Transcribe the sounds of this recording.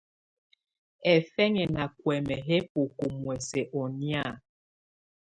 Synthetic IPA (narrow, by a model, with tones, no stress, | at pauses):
ɛ˨fɛ˦ŋɛ˨na˨kwɛ˨mɛ˨ɦe˦pu˨ku˨mwɛ˨se˨ʔɔ˨ni˦a˦˨